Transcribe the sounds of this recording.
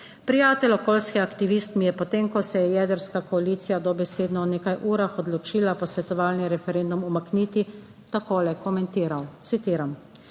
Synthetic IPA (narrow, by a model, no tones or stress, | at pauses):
pɾijaːt̪ɛlɔkoːlskɛakt̪iʋist̪mijɛpɔt̪emkɔsɛjɛjɛːd̪əɾskakɔaliːt̪sijad̪ɔbɛseːd̪nɔɔneːkajʔuːɾaxɔd̪lɔt͡ʃiːlapɔsʋɛt̪ɔʋaːlniɾɛfɛɾend̪umumakniːt̪i | t̪akoːlɛkʰɔmɛnt̪iːɾawt̪sit̪iːɾam